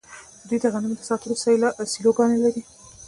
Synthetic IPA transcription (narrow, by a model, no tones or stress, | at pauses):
d̪əd̪ujd̪əɣanumed̪əsɑt̪ʊɾsɑlaʔsiloɡɑnelaɾi